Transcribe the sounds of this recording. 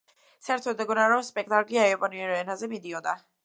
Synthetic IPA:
saɛɾt̪ʰɔd̪ɛɡɔnaɾɔmspʼɛk̚ʰt̪ʼakʼliaɛɔpʼɔniɛɾɔɛnazɛmid̪iɔnd̪a

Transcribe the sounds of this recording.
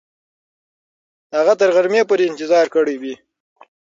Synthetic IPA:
haɣat̪əɾɣaɾmepoːɾeɪnt̪ɪzɑːɾkəɽewi

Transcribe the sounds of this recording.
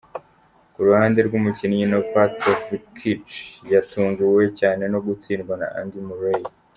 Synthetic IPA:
kuɾuhaːnde̞ɾɡumucinijinofatofkʰit͡ʃjatuːŋɡuwe̞caːne̞no̞ɡut͡siːnɡwana̰ʔa̰ndimuɾej

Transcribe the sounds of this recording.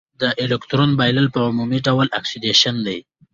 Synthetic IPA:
d̪əʔelɪkt̪ɾonbajləlpəʊmumiɖawəlʔaksideʃand̪aj

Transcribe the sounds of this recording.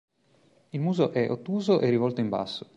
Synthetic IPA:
ilmuːzoʔɛʔot̪ːuːzoʔerːivɔlt̪oimba̰sːo̥

